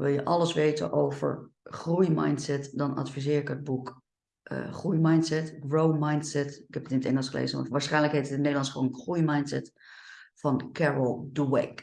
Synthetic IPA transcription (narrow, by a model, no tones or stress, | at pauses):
ʋɪlˠjəʔɑləsʋejtə̰nʔowvə̰ɹχrujma̰jntsɛtdɑnɑ̰tfizɪːɹɪkɦəd̚buk | ʔχrujmajntsɛtɡɹowmajntsɛtɪkhɛpətɪnətɛŋəlˠsχəlḛjzəʋɔ̰ʋaːɹsχɛjnləkɦejtətɪnːejdəlˠɑnsχonχrujmajntsɛt | fɑnkʰɛɹəlˠduwɛ̰k